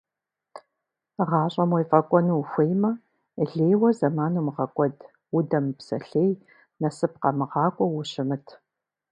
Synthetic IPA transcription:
ʁɑːɕʼɐmwijfʼɐkʷʼɔnuxʷejmɐ | ɮeːjwɐzɐmaːnuːmʁɐkʷʼɔd | wʊdɐmpsɐ̰ɬeːj | nɐsɨp̚qɐmɨʁɑːkʷʼɔwʊɕɪmɨtʰ

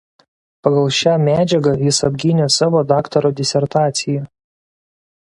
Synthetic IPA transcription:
pɐɡɐlˠʃʲæːmʲæːd͡ʒʲɛɡɐjɪsɐbʲɡʲɪnʲesɑːʋoːd̪ɑːkt̪ɐɾoːd̪ʲɪsʲɛɾt̪ɑːt̪sʲɪjɛ

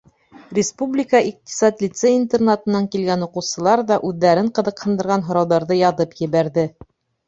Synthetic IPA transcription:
rʲɪspublʲɪkəʔiq̚t̪i̥sat̪lʲit̪seint̪ernat̪ɤ̆nːɑŋkilɡænuqɤ̆wsɤ̆lˠɑɾðɑʔʉðːæɾɘɴqɤ̆ðɤ̆qhɤ̆nd̪ɤ̆ɾʁɑnɦŏɾɑwðɑɾðɤjɑðɤpjɘ̆βæɾðɘ

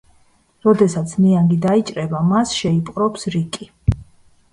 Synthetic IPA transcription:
ɾɔd̪ɛsat̪sʰniaŋɡid̪ait͡ʃʼɾɛbamasʃɛipʼqʼɾɔpsɾikʼi

